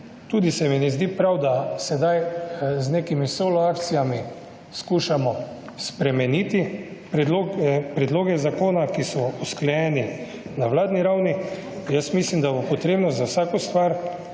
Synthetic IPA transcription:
t̪uːd̪isɛminɛzd̪iːpɾawd̪asɛd̪ajzneːkimisoːlɔaːkt̪sijami | skuːʃamɔ | spɾɛmɛniːt̪ipɾɛlopɾɛd̪loːɡɛzakoːnakisɔusklɛjɛːni | nawlaːd̪niɾawni | jəsmislimd̪abopɔt̪ɾeːbnɔzawsaːkɔst̪ʋaɾ

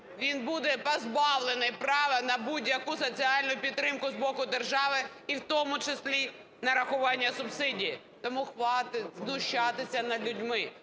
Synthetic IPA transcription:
ʋʲinbud̪ɛpɐzbɑwlˠenɪjpɾɑʋɛnɐbudʲjɐkʊsɔt͡sʲiɑlʲnʊjʊpʲidt̪ːɾɪmkʊzbɔkʊd̪erʒɑʋɪ | iwt̪ɔmʊt͡ʃesʲlʲi | nɐɾɐxʊʋɑnʲːɐsʊbsɪdʲiji | t̪ɔmuxʋɑt̪ɪznʊʃt͡ʃːɑt̪ɪsʲɐnɐlʲʊdʲmɪ

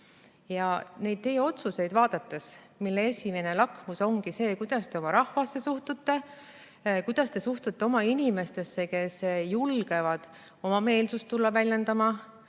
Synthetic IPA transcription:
jɑne̞jd̪̚t̪e̞jeo̞t̪suse̞jd̪vɑːd̪̥ɑt̪ːˑe̞s | milːeesʲime̞ne̞lɑkmuso̞ŋɡise̞ːkujd̪̥ɑst̪e̞o̞mɑɾɑhvɑsːe̞suht̪ut̪ːe̞ | kujd̪̥ɑst̪e̞suht̪ut̪ːe̞o̞mɑinime̞st̪e̞sːe̞ke̞sjulɡ̥e̞vɑd̪̥ | o̞mɑme̞ːlsust̪ːulːɑvælʲjend̪ɑmɑ

